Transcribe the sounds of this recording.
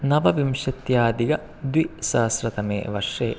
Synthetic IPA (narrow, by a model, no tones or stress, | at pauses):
nɐʋɐʋimʂɐt̪jaːd̪iɡɐ | d̪ʋisɐːsɾɐt̪ɐmḛːʋɐɾʂeː